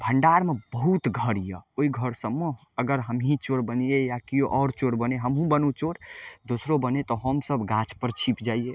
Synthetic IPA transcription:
bʱəɳɖaɾmebəɦut̪ɡʱəɾijəoiɡʱəɾsəmːe | əɡəɾɦəmɦĩt͡ʃoɽbənijejakijoʔɔɾt͡ʃoɽbəneɦəmɦũbənut͡ʃoɽd̪osɾobənet̪ɔɦəmsəbɡat͡ʃʰpəɾt͡ʃʰipd͡ʒaːie

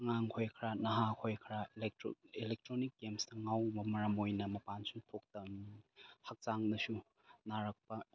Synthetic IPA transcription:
ɐŋaŋkʰojkʰɾanɐɦakʰojkʰɾa | ilek̚tɾonik̚ɡemstɐŋawbɐmɐɾɐmojnɐmɐpansupʰok̚tɐ | hɐk̚t͡ʃaŋdɐsu | naɾɐk̚pɐ

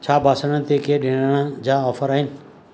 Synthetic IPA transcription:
t͡ɕʰaːbʱaːsəɽ̃t̪ekeɗɪ̃ɽəɽ̃əd͡ʑaːɔːfəɾaːɦɪnɪ

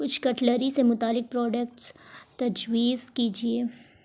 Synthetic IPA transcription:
kʊt͡ʃʰkɐʈləɾisemʊt̪aːlːɪk̚pɾɔːɖək̚ʈst̪ɐd͡ʒwiːzkiːd͡ʒieː

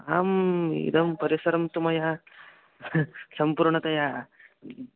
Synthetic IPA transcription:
aːmḭd̪ɐmpɐɾisɐɾɐmt̪umɐja | sɐmpuɾɳɐt̪ɐja

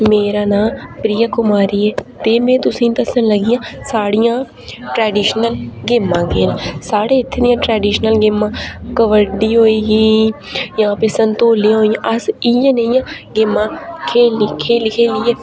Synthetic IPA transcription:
meːɾaːnãːpɾɪjaːkʊmaːɾiːɛːt̪eːmẽːt̪ʊsĩːnt̪əsənləɡɪjãːsaːɽijãː | ʈɾɛːɖiːʃnəlɡɪmːãːɡeːnsaːɽeːɪt̪ʰːeːd̪ɪjãːʈɾɛːɖiːʃnəlɡɪmːãːkəʋəɖiːɦoːeːɡiː | jãːpeːsənt̪oːliãːɦoːijãːʔəsɪjãːneĩjãːɡɪmːãːkʰeːlkʰeːlɪkʰeːlɪeː

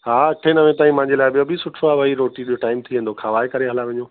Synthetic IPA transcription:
ɦaːʈʰenɐʋẽt̪aːĩmɐ̃ɦɪ̃ɲd͡ʑelaːɪɓijobʱisʊʈʰoaːbʱɐiɾoːʈiɗoʈaːɪmt̪ʰiʋẽːnd̪okʰaːʋaːekɐɾeɦɐlaʋɐ̃ɲoː

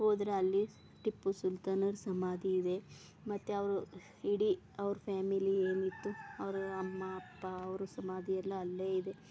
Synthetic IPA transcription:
hoːd̪ɾeɐlːi | ʈipːusult̪anɐɾsɐmaːd̪ʱiːd̪e̞ | mɐt̪ːeuɐʋɐɾu | iɽi | ɐʋɾupʰaːmilieːnit̪ːuɐʋɐɾuɐmːɐɐpːɐːʋɐɾusɐmaːd̪ʱijɛlːɐɐlːeːid̪e̞

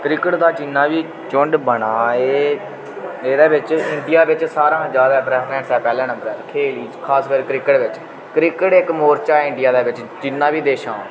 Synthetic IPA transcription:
kɾɪkəʈd̪aːd͡ʒɪnːãːʋiː | t͡ʃʊɳɖbəɳaːeː | eːd̪eːʋɪt͡ʃɪɳɖijaːʋɪt͡ʃsaːɾãːd͡ʒjaːd̪aːpɾɛːpʰɾɛ̃ːɳʈsɛːpɛːlɛ̃ːnə̃mbəɾɛːkʰeːliːd͡ʒkʰaːskəɾkɾɪkəʈʋɪt͡ʃ | kɾɪkəʈɪkmoːɾt͡ʃaːɪ̃ɳɖɪjaːd̪eːʋɪt͡ʃd͡ʒɪnːãːʋiːd̪eːʃã̰ː

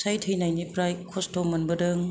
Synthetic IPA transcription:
sajtʰɯjnajnipɾajkʰɔstʰomɯnbɯdɯŋ

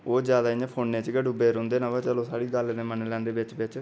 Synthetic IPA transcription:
oːd͡ʒjaːd̪aːɪjãːpʰoːnːẽːt͡ʃɡəɖuːbeːɾɦʊ̃nd̪eːnãːʋaːt͡ʃəlõːsaːɽiːɡəlnẽːmənlɛ̃ːnd̪eːʋɪt͡ʃbɪt͡ʃ

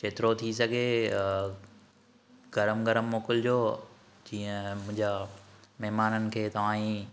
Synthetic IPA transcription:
ʃʰeːt̪ɪɾot̪ʰisɐɡʱe | ɡɐɾəmɡɐɾəmːoːkɪld͡ʑoː | d͡ʑiːə̃mʊ̃ɦɪ̃ɲd͡ʑamɛɦmaːnənɪ̆kʰeːt̪ɐʋ̤ãːĩ

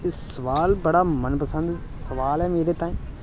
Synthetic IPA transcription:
ɪsəʋaːlbəɽaːmənpəsənd̪ | səʋaːlɛːmeːɾeːt̪ãːĩː

